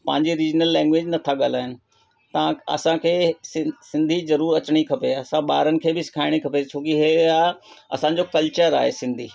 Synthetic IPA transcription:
pɐ̃ɦɪ̃ɲd͡ʑiɾiːd͡ʑnəlːɛ̃ːŋɡʋeːd͡ʑnɐt̪ʰaɠaːl̤aːɦɪnɪ̆ | t̪ɐ̃ɐ̰sãkʰeːsɪsɪ̃nd̪ʱizɐɾuːɾɐt͡ɕɪɽ̃ikʰɐpeɐsãɓaːɾənɪ̆kʰeːbɪsɪ̥kʰaːɪɽ̃ikʰɐpet͡ɕʰoːkiɦeaɐ̰sã̆d͡ʑokɐlt͡ɕəɾa̰ːɦesɪ̃nd̪ʱiː

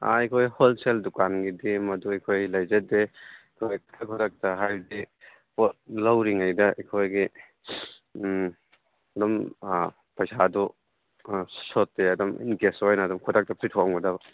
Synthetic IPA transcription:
a̰ejkʰojholseldukanɡidimɐduɐjkʰojlɐjzɐde | kʰojk̚takʰɔdak̚tɐɦajdi | pɔt̚lɐwɾiŋajdɐḛjkʰojɡi | ɐdɔm | pɐjsadu | sɔtːeɐdɔmḭnɡesɔjnɐːdɔmkʰɔdak̚tɐpʰitʰɔaŋbɐdabɐ

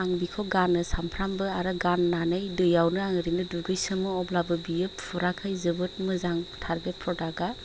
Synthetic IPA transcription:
aŋbikʰɔɡanɯsampʰɾambɯaɾɯɡanːanɯjdɯjawnɯaŋɾinɯduɡɯjsɯmɯɔblabɯbijɯppʰuɾakʰɯjzɯbɯt̚mɯzaŋtʰaɾbet̚pʰɾɔdaɡa

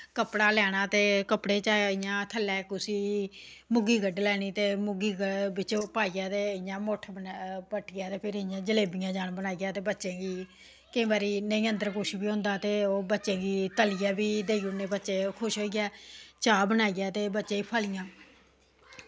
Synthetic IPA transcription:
kəpɽaːlɛːɽ̃aːt̪eːkəpɽeːt͡ʃaːɪjãːt̪ʰəlːɛːkʊsiːmʊɡiːɡəɖlɛːɽ̃iːt̪eːmʊɡiːɡəbɪt͡ʃopaːijãːt̪eːjãːmoʈʰpəʈʰɪjaːt̪eːpʰɪɾɪjãːd͡ʒəleːbɪjãːd͡ʒaːnbənaːijaːt̪eːbətːʃẽːɡiː | kəĩːbaːɾiːnəiːənd̪əɾkʊʃbiːɦõːnd̪aːt̪eːoːbətːʃẽːɡiːt̪əlɪjãːbiːd̪eːiuneːbətːʃeːkʰʊʃɦoːiːɛːt͡ʃaːbənaːijaːt̪eːbətːʃẽːiːpʰəːlɪjãː

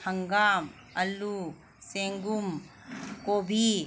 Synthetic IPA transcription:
hɐŋɡaːm | ɐlːu | seŋɡum | koːbʱi

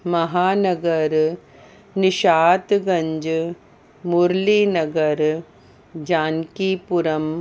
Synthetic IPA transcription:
mɐɦaːnɐɡɐɾ | niʃaːt̪ɡɐɲd͡ʒ | muɾliːnɐɡɐɾ | d͡ʒaːnkiːpuɾɐm

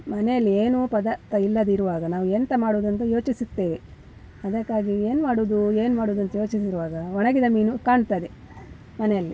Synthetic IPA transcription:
mɐnɛjɐlːieːnupɐd̪ɐt̪ːɐilːɐd̪iɾuʋaːɡɐnaːʋuent̪ɐmaːɽoːd̪ɐnt̪̬ɐjo̞ːt͡ʃisit̪ːeː | ɐd̪ɐkːaːɡie̞ːnumaːɽuːd̪ue̞ːnumaːɽoːd̪ɐnt̪ɐjo̞ːt͡ʃis̬iɾuʋaːɡɐɔnɐɡid̪ɐmiːnukaːɳt̪aːd̪e | mɐnɛjɐlːi

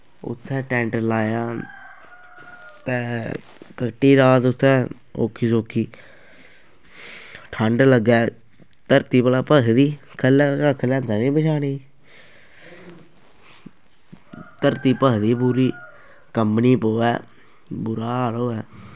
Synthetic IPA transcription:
ʊ̰t̪ʰːɛ̃ːʈɛ̃ːɳʈlaːjãː | t̪ɛː | kəʈiːɾaːt̪ʊt̪ʰːɛː | o̰ːkʰːiːsoːkʰiː | ʈʰəɳɖləɡɛː | t̪əɾt̪iːpəlaːpəɦd̪iː | kʰəlɛːkakʰəlɛ̃ːd̪aniːpəʃaːniː | t̪əɾt̪iːpəɦd̪iːpuːɾiː | kəmpniːpoːɛː | bʊɾaːloːɛː

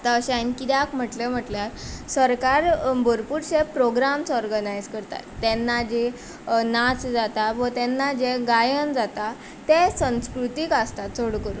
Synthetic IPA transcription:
at̪aəɕankit̪jakm̤əʈlem̤əʈlaɾsəɾkaɾbʱəɾpuɾɕepɾoɡɾamt͡sɔɾɡənajd͡zkəɾt̪a̰t̪ːɛnːad͡ʑe | nat͡sd͡zat̪aʋət̪ɛnːad͡ʑeɡajənd͡zat̪a | t̪esə̃w̃skɾut̪ikast̪at̪t͡soɽkəɾu

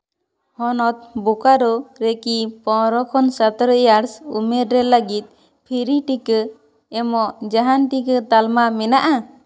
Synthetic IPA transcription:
hɔnɔt̪̚bukaɾɔɾekipɔ̃ɾɔkʰɔnsat̪ɾəjaɾsumeɾɾɛləɡit̪̚ | pʰiɾiʈikə | ɛmɔʔd͡ʒaɦanʈikət̪almamɛnaʔa

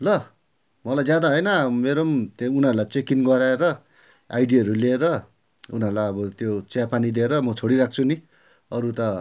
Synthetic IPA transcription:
lʌ | mʌlajd͡zjad̪aɦʌjnʌmeɾʌmt̪eunaɾulajt͡sekinɡʌɾaeɾʌ | a̰jɖiɦʌɾulieɾʌ | unʌɾulajʌbʌt̪jot͡sjapanid̪ieɾʌmʌt͡sʰoɽiɾak̚t͡sʰuni | ʌɾut̪ʌ

